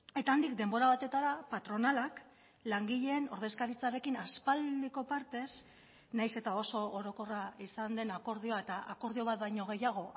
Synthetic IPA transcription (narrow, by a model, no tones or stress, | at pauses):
e̞t̪aːnd̪ikd̪e̞mbo̞ɾaβ̞at̪e̞t̪aɾapat̪ɾo̞nalak | laŋɡiʎe̞ːno̞ɾð̞e̞skaɾit͡saɾe̞kinaspald̪iko̞paɾt̪e̞s | najse̞t̪ao̞so̞ːɾo̞ko̞raisand̪e̞nako̞ɾðio̞aet̪aʔako̞ɾð̞io̞β̞at̪̚bajɲo̞ɣ̞e̞jaɣ̞o̞